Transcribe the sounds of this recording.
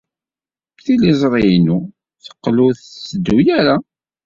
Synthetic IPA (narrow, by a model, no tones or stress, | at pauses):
θilizˤɾˤijnu | θə̥qːluθsəd̪ːujæɾa